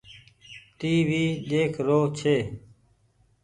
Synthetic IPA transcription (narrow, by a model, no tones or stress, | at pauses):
t̪iːʋiːɗ̪eːkʰɾoːt͡ʃʰeː